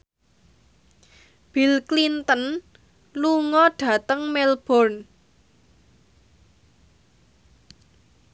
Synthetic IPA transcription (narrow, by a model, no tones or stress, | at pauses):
b̥ilklint̪ən | luŋɔɖ̥ä̤t̪əŋmɛlb̥ɔrn